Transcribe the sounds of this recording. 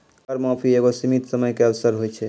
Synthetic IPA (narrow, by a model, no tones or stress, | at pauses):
əɾmɔ̃pʰieɡosimit̪səməjkeəbsəɾɦojt͡ʃʰɛ